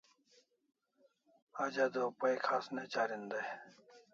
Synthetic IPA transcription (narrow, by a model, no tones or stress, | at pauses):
ad͡ʑad̪opəjkʰasnet͡ɕaːɾind̪aj